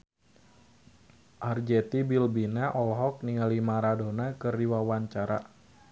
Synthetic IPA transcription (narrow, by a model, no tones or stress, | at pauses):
ʔard͡ʒɛt̪ibilbinaʔɔlɦɔk̚niŋalimaɾadonakɨriwawaɲt͡ʃaɾa̰